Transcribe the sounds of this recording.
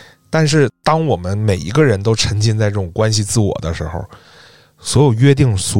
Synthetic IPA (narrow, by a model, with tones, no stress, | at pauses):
t̪a˥˧nʂ̬ɻ̩˥˩t̪ɑ˥ŋwɔ˨˩mə˦nme˨˩ɪḭ˧˥ɡə˧ɻə˧˥nt̪o˥ʊʈ͡ʂʰɤ˧˥ŋt͡ɕi˥˧nt͡sa˥˧ɪʈ͡ʂɤ˥˩ʈ͡ʂʊ˨˩ŋkwa˥nɕ̬i˧t͡sɹ̩˥˩wɔ̰˨˩d̪ə˦ʂɻ̩˧˥xo̰˥˧ʊ | swɔ˧˥jo˨˩ʊɥɛ˥t̪̬i˥˩ŋsu˧˥